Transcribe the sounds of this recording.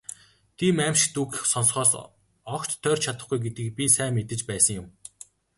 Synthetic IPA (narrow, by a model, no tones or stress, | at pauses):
t̪ʰiːmæmʃɪ̥̆k̚t̪ukxsɔnsχɔːs | ɔkt͡ɕt̪ʰːœːrt͡ɕʰat̪ə̆χɡujɡet̪ɘ̆k̚pʲisæːmet̪ɘ̆t͡ɕpæːsə̆ŋjʊm